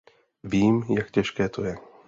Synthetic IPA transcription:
viːmjakcɛʃkɛːt̪ʰo̞jɛ

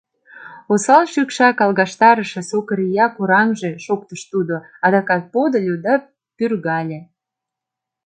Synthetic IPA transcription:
osɑlʃykʃɑkɑlɣɑʃt̪ɑɾəʃesokəɾijɑkuɾɑmʒe̽ʃok̚t̪əʃt̪ud̪o | ɑd̪ɑkɑt̪̚pod̪əlʲod̪ɑ | pyrɣɑlʲĕ

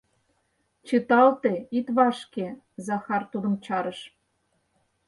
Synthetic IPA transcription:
t͡ɕɯt̪ɑlt̪eit̪βɑʃke | zɑxɑrt̪ud̪ə̆mt͡ɕɑɾɤ̆ʃ

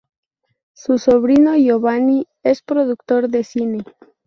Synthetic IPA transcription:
suso̞βɾino̞joβani | espɾoðuk̚t̪o̞ɾðe̞sine

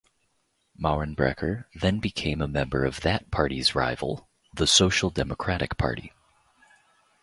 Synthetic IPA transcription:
mɑɹɨ̃nbɹɛ̰kʰə˞ðɨ̃nbɨkʰẽɪ̃məmɛ̃mbə̰˞ʌvðɨt̚pʰɑɹɾizɹa̰ɪvl̩ˠ | ðəsoʊʃl̩ˠdɛməkʰɹ̥æɾɨ̰k̚pʰɑ̰ɹɾḭ

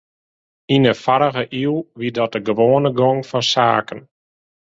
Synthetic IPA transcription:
inəfaɾəɣəʔilˠʋidɔt̚dəɡəʋoːənəɡɔŋfɔnsaːkən

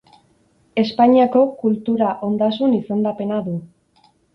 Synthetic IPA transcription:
e̞spaɲiako̞kult̪uɾaʔo̞nd̪asunise̞nd̪ape̞naðu

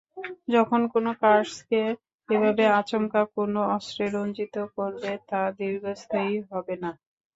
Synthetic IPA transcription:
d͡ʑɔkʰonkonokaɾʃke | ebʱabeat͡ɕomkakonoɔsɾeɾont͡ɕit̪okoɾbet̪ad̪iɾɡʱost̪ʰaiɦɔbena

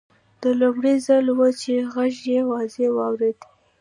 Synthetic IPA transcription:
d̪̥əlomɽizəlwət͡ʃeɣaʒjewɑzewɑwɾed̪i

